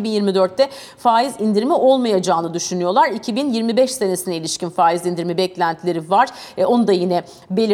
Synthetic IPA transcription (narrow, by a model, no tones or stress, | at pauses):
ibinjiɾmid̪øɾt̪ːɛ | faːizind̪iɾmiʔo̞lˠmajad͡ʒaːnɯd̪yʃynyjo̞lˠaɾicʰibinjiɾmibɛʃse̞nesinɛilʲiʃcinfaːizind̪iɾmibɛclʲænt̪ʰlʲe̞ɾivaɾ̥o̞nud̪ajinɛ | belʲ